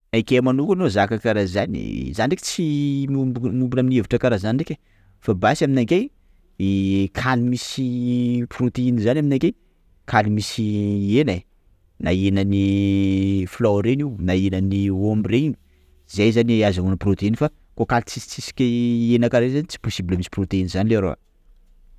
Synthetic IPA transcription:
ajkemanukanozakakaɾazanḭzanɖ͡ʐeki̥t͡simubnumbunaminieviʈ͡ʂəkaɾazaniekʲe | fabasaminake | kʰalimisiprut̪einizanʲaminakej | kʰalimisiena | naenani | floɾeniwnaenaniombireni | zejzaniazanunəprot̪einfa | kokalt͡sit͡sisi̥kʲenakaɾezanit͡si̥posibləmisi̥prot̪einizanileaɾo̰a̰

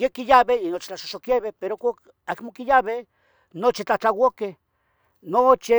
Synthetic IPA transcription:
jekijaβeinot͡ʃi̥t͡ɬaʃoʃokjeβepeɾokʷak | akmokijaβe | not͡ʃit͡ɬat͡ɬawoke | not͡ʃi

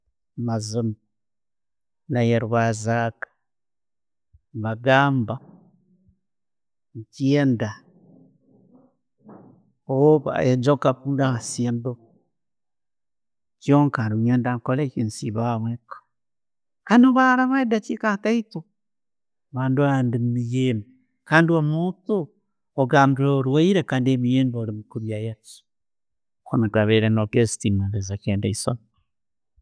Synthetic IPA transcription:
mazumi | najeɾuβazakḁ | βaɡaːmba | cjenda | oβa̰ed͡ʒokapundaβasenbo | kioŋkaɾuɲendaŋkolekinsiβaβwekḁ | kanoβaɾaβedat͡ʃikataito | βaːnduaandimijemi | kandiomutu | oɡamɾiɾoɾuwaiɾekandemijenboɾimikuɾjajat͡ʃi̥ | xonakaβeɾenokesi̥timaβezakeːndaison

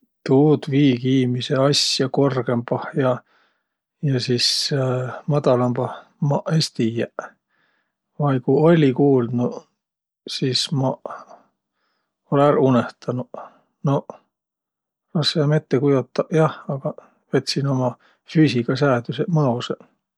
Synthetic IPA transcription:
t̪uːd̪viːɡiːmise̞ɑsjɑko̞rɡ̥e̞mbɑhjɑ | jɑsis | mɑd̪̥ɑlɑmb̥ɑh | mɑesʲt̪ijæ | vɑjkuolʲikuːlnu | sismɑ | olæɾuneht̪ɑnu | no | rɑsɑːmet̪ːekujot̪ːɑʔjɑhɑɡ̥ɑ | vet̪ʲsino̞mɑ | fysʲiɡ̥ɑsæːd̪ysemɤose

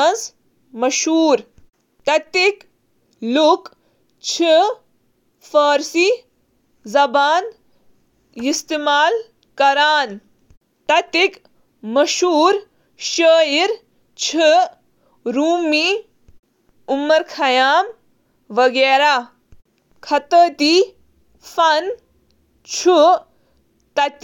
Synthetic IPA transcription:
ɐns | mɐʃuːɾ | t̪ɐt̪ik | luk | t͡ʃʰi | fɐːɾsi | zɐbaːn | ist̪imaːl | kɐɾaːn | t̪ɐt̪ik | mɐʃuːɾ | ʃəːjiɾ | t͡ʃʰi | ɾuːmiː | umːɐɾkʰɐjaːm | ʋɐɡeːɾaː | kʰɐt̪ət̪i | fɐn | t͡ʃʰu | t̪ɐt̪

